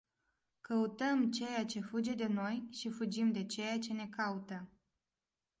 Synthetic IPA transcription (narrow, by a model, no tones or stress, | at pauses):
kəut̪əmt͡ʃe̞jat͡ʃe̞fud͡ʒe̞d̪e̞no̞jʃifud͡ʒimd̪e̞t͡ʃe̞jat͡ʃe̞ne̞kaut̪ə